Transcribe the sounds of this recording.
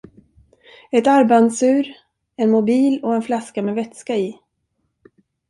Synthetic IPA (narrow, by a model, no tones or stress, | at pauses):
ɛt̪aɾbansʉ̟ːɾ | ɛnmʊbiːlɔɛnflaskameːvɛt̪skaɪ